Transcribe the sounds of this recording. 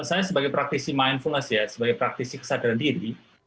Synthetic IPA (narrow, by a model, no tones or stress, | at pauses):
sajasəbaɡajpɾak̚t̪isimajnfulnəsjasəbaɡajpɾak̚t̪isikə̥sadaɾandiɾi